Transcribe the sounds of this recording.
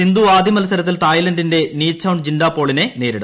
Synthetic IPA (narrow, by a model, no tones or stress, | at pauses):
ind̪uːaːd̪imɐlɐsɐɾɐt̪̬ːilt̪aːjlɐndinde̞niːsʰɐwuɳd͡ʑinɖaːpo̞ːɭine̞ne̞ːɾiɽu